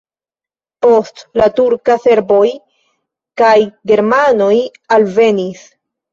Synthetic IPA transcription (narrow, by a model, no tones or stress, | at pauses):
po̞stlatuɾkase̞ɾbo̞j | kajɡe̞ɾmano̞j | alve̞nis